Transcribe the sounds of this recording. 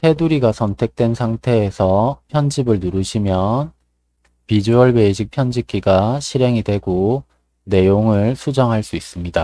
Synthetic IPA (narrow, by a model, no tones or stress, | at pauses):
tʰe̞duɾiɡasʰʌntʰe̞k̚t͈we̞nsʰaŋtʰe̞ːsʰʌpʰjʌnd͡ʑibɯɭnuɾɯɕʰimjʌn | pid͡ʑuʌɭbeɕʰik̚pʰjʌnd͡ʑik͈iɡaɕʰiɾe̞ŋidwe̞ɡo | ne̞joŋɯɭsʰud͡ʑʌŋɦaɭs͈uis͈ɯmɲida